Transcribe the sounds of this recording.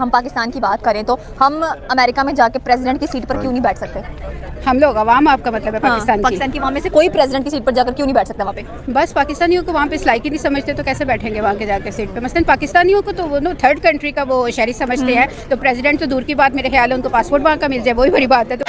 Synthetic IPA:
ɦɐmpaːkɪst̪aːnkibaːt̪̚kɐɾẽt̪o | hɐmɐmɛːɾɪkamẽd͡ʒaːkepɾɛːzɪɖɛ̃ɳʈ̚kisiːʈpɐɾkjũːnɐɦĩbɛːʈʰsɐk̚t̪ehɐmloːɡɐʋaːmaːp̚kamɐt̪ləbʱɦɛpɦaaːkɪt̪aːnpaːkiɪsaːnkiʋɐɦãmẽsekoːipɾɛːzɪɖɛ̃ɳʈkisiːʈ̚pɐɾd͡ʒaːkɐɾkjõːnɐ̃ibɛːʈʰsɐk̚t̪eɛʋɐɦãːpe | bɐspaːkɪst̪aːnijõkoʋɐɦãpeslaːikinɐ̃ɦĩsɐməd͡ʒʱt̪et̪okɛːsebɛːʈʰẽːŋɡeʋɐɦãked͡ʒaːkɐsiːʈ̚pemɐsələnpaːkɪst̪aːniõkot̪oont̪ʰəɾɖkɐ̃ɳʈɾikaʋoʃɛːɾisɐməd͡ʒʱt̪eɦɛ̃ː | t̪opɾɛːzɪɖɛ̃ɳʈt̪od̪uːɾkibaːt̪meːɾexɐjaːlɦɛʊnkopaːspoːɾʈʋɐɦãkamɪld͡ʒaːɛʋoːɦibɐɾibaːt̪ɦɛ̃t̪o

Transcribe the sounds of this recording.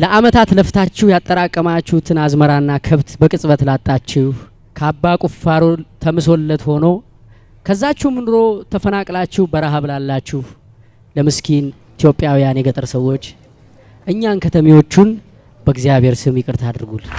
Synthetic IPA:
ləʔamət̪ʰat̪ləft̪ʰat͡ʃːɪhujat̪ʼːəɾakʼːəmat͡ʃːuht̪ʰɨnazməɾaɨnːakʰəβt̪bəkʼɨsʼβət̪lat̪ʼːat͡ʃːɪh | kʰabːakʼufaɾot̪ʰəmɨsolːət̪ho̞now | kʰəzːat͡ʃːɪmɨnɨɾo̞t̪ʰəfənakʼlat͡ʃːɪhbəɾaɦəβlalːat͡ʃːɪh | ləmɨskʰin | it̪jo̞pʼːjawijanjɛɡət̪ʼɨɾsəwːo̞t͡ʃː | ʔɨɲːankʰət̪ʰəmiwo̞t͡ʃːun | bəɡzijaβʱe̞ɾsɨmjɪkʼɨɾt̪ʰad̪ɨɾɡul

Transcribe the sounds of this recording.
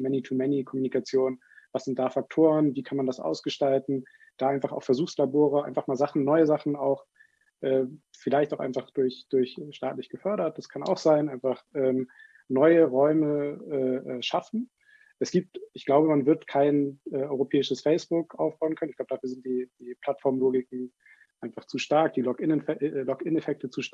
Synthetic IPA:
mɛnitʰumɛnikʰɔmunikʰat͡sjoːn | vasz̥ɪnt̚d̥aːfak̚tʰoːʁənviːkʰanmandasʔa̰ʊsɡ̥əʃtaltn̩ | d̥aːaɪnfaχa̰ʊxfɛɐzuːxslaboːʁəʔa̰ɪnfaχmaːlzaχn̩nɔʏəzaχn̩aʊx | ʔɛːfɪlaɪçtaʊxʔa̰ɪnfaχd̥ʊɐçd̥ʊɐçʃtaːtlɪçɡ̥əfœɐɾɐt̚d̥askʰana̰ʊxz̥aɪnʔaɪnfaχʔɛːm | nɔʏəʁɔʏməɛːʔɛːʃafn̩ | ʔɛsɡ̥iːp̚tʔɪçɡ̥laʊbəmanvɪɐtkʰaɪnʔɛːʔɔʏʁopʰɛːɪʃəsfɛɪsb̥ʊkʔa̰ʊfb̥aʊənkʰœnɪçɡ̥abə̥dafyːɐzɪnt̚d̥iːd̥iːpʰl̥atfɔɐmloːɡɪkŋ̩ | ʔaɪnfaχt͡suːʃtaɐk̚d̥iːlɔkɪnɛlɔkɪnefɛk̚tət͡suːʃ

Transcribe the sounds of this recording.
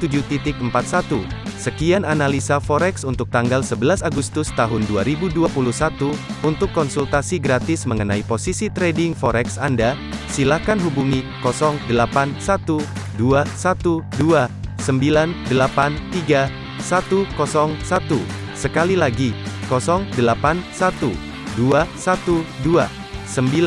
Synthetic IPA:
t̪ud͡ʒut̪it̪ɪk̚əmpat̪̚sat̪usəkiananalisafɔɾɛksunt̪ʊk̚t̪aŋɡalsəbəlasaɡust̪ʊst̪aɦʊnduaɾibuduapuluhsat̪uunt̪ʊkːɔnsult̪asiɡɾat̪ɪsməŋənaiposisit̪ɾɛdɪŋfɔɾɛksanda | silahkanɦubuŋi | kɔsɔŋdəlapansat̪uduasat̪uduasəmbilandəlapant̪iɡa | sat̪ukɔsɔŋsat̪u | səkalilaɡikɔsɔŋdəlapansat̪u | duasat̪udua | səmbil

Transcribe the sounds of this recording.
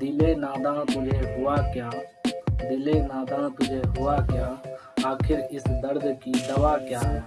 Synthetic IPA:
d̪ɪleːnãːd̪ãːt̪ʊd͡ʒeːɦʊaːkɪjãːd̪ɪleːnãːd̪ãːt̪ʊd͡ʒʱeːɦʊaːkɪjãːaːkʰɪɾɪsd̪əɾd̪kiːd̪əʋaːkɪjaː

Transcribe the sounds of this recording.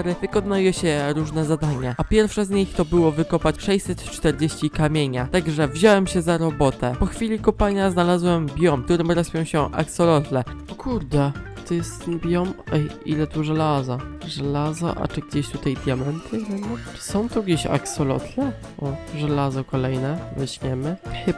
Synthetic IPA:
aɾɘvɘkɔnajɛɕɛɾuʐnɛzad̪aɲaʔapʲjɛɾfʂɛzɲixt̪ɔbɘwɔvɘkɔpat͡ɕʂɛjsɛt̪t͡ʂt̪ɛɾd͡ʑeɕt͡ɕikamʲjeɲat̪aɡʐɛvʑawɛmɕɛzaɾɔbɔt̪ɛpɔxfʲilʲikɔpaɲaznalazwɛmbʲjɔmkt̪uɾɘmɾaspʲjɔ̃w̃ɕɛʔa̰ksɔlɔt̪lɛɔkʰuɾd̪ɛ | t̪ɔjɛst̪ɛnbʲjɔmɛḭlɛt̪uʐɛlazɔʐɛlazɔ̰ʔa̰t͡ʂɘɡ̚d͡ʑeɕt̪ut̪ajd̪ʲjamɛnt̪ʰɘnɛmɔ̥sɔ̃w̃t̪uɡd͡ʑeɕa̰ksɔlɔ̰t̪lɛ | ʔɔʐɛlazɔkɔlɛjnɛvɛɕmʲjɛmɘ

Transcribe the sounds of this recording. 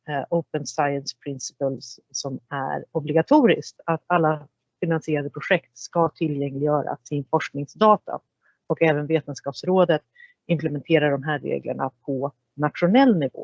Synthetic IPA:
ʔoʊpənsajənspʰɾɪnsɪ̥pəlsːɔmæ̰ɾɔblɪɡat̪ʰuːɾɪ̰skt̪at̪alːa | fɪnansɪeːɾad̪əpʰɾʊɧɛkt̪skat̪ʰɪljɛŋlɪɡjœːɾa̰sɪnfɔʂknɪŋsd̪ɑːt̪ʰa̰ | ɔkɛːvənveːt̪ənskɑːpsɾoːd̪ət̪ | ɪmplɛmɛnt̪ʰeːɾaɖɔmɦæːɾːḛːɡlə̰ɳa̰pʰɔ | nat̪ɧʊnɛlːnɪvo̰ː

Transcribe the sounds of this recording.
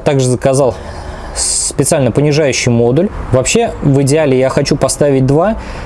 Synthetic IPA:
t̪aɡʐɨzəkɐzɑlˠ | spʲɪt̪sɨalʲnəpənʲɪʐajʉɕːɪjmo̞d̪ʊlʲvɐpɕːe̞vɨdʲɪalʲɪjaxɐt͡ɕupɐst̪avʲɪt̚ʲd̪va

